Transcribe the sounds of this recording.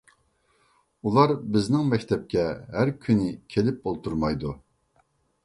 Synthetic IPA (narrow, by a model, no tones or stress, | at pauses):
ulˠɑɾbɪznɪŋmɛkʲt̪ʰɛp̚kʲɛɦæɾkʲʰynɪkʲʰelɪp̚bolˠt̪ʰuɾmɑjd̪u